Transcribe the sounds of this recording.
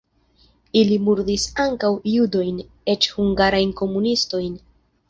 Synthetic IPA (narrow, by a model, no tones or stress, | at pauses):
ilimuɾdisaŋkawjudo̞jn | e̞t͡ʃhuŋɡaɾajnko̞munisto̞jn